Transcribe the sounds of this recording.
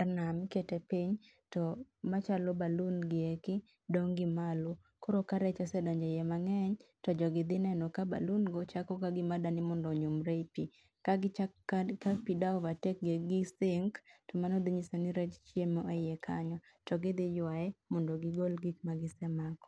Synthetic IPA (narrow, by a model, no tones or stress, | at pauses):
arnamketɛpiɲ | tɔmat͡ʃalɔbalunɡɪekɪ | doŋɡɪmalu | kɔɾokaɾɛt͡ʃɔsɛdɔɲd͡ʒɔjɛmaŋɛɲtɔd͡ʒɔɡɪd̪ɪnɛnɔkaba̰lunɡɔt͡ʃakɔkaɡɪmadanɪmɔndɔɲʊmɾepi | ka | kapidaɔvatɛk̚ɡeɡɪsɪŋktɔmanɔd̪iɲisonɪɾɛt͡ʃt͡ʃjemɔejɛkʰaɲɔ | tɔɡɪd̪ɪjwaɛmɔndoɡɪɡolɡik̚maɡɪsɛmakɔ̥